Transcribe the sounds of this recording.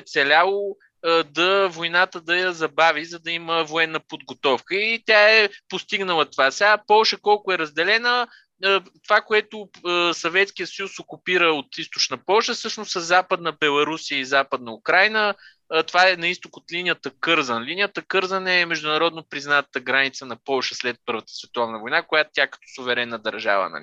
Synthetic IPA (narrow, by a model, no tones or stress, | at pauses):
ɛt̪sɛlʲalˠo | d̪ɐvojnat̪əd̪ɐjɐzɐbavizɐd̪ɐiməvoɛnːəpod̪̚ɡot̪ɔfkəit̪ʲaɛpost̪iɡnəlˠət̪ovasɛapɔlˠʃəkɔlˠkʊɛɾəzd̪ɛlɛnəː | t̪ovakoɛt̪ʊsɐvɛt̪skijəsəjusokupiɾəot̪ist̪ot͡ʃnəpɔlˠʃəfsɤʃnʊssəzapəd̪nəbɛlˠɐɾusijəizapəd̪nəukɾajnə | t̪ovaɛnɐist̪okot̪linijət̪əkɤɾzənlinʲijət̪əkɤɾzənɛmɛʒd̪ʊnɐɾɔd̪nopɾiznat̪əɡɾanit̪sənɐpɔlˠʃəslɛt̪̚pɤɾvət̪ə̥svɛt̪ɔvnəvojnakojat̪t̪ʲakɐ̥t̪ɔ̥sʊvɛɾɛnːəd̪ɐɾʒa̰və̰nɐ̰lḭ